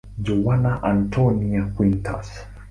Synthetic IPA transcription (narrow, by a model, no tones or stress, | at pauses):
d͡ʒɔwanaʔantʰɔniakwintʰa̰s